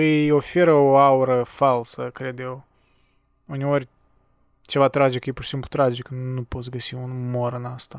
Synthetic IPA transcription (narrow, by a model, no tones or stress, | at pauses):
ɨjo̞fe̞ɾəo̞auɾəfalsəkɾe̞d̪je̞w | une̞orʲ | t͡ʃe̞vat̪ɾad͡ʒikjepurʃi̥simplut̪ɾad͡ʒiknupo̞t̪sʲɡəsiunmoɾɨnast̪a